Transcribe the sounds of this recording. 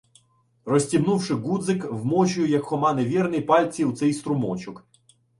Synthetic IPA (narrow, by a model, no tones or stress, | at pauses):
rɔsʲtʲibnuwʃɪɡud̪zɪkwmɔt͡ʃʊjɛjɐkxɔmɑneʋʲirnɪjpɑlʲt͡sʲiwt̪sɛjst̪ɾʊmɔt͡ʃʊk